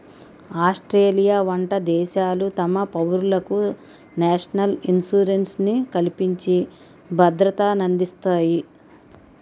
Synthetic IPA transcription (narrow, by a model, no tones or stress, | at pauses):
aːsʈɾeːlijaːʋɐɳʈɐd̪ɛːʃaːlut̪ɐmɐpɐwɾulɐku | naːʂɐnɐlinsuːɾensnikɐlipiɲt͡ʃi | bʱɐd̪ɾɐt̪aːnɐnd̪ist̪aːji